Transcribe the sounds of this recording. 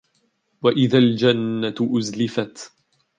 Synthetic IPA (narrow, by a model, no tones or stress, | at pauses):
waʔɪðaːld͡ʒanːaʔʊzlɪfat̪